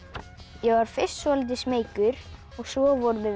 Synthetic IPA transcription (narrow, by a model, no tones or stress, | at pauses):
jɛɣvaɾ̥fɪst̪svɔlɪt̪̬ɪsmeːjkʏɾ | ɔɣsvɔːvɔɾvɪ